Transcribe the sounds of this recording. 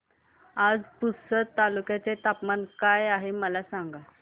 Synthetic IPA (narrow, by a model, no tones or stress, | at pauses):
ad͡zpusət̪ːalukjat͡set̪apmankajaɦeməlasaŋɡa